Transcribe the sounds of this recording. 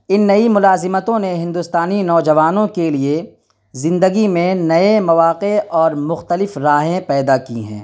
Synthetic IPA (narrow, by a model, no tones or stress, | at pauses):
ɪnːɐimʊlaːzɪmət̪õneɦɪ̃nd̪ʊst̪aːninɔːd͡ʒɐʋaːnõkelie | zɪ̃nd̪əɡimẽnɐemɐʋaːqeɔːɾmʊxt̪əlɪfɾaːɦẽpɛːd̪akḭɦɛ̰̃ː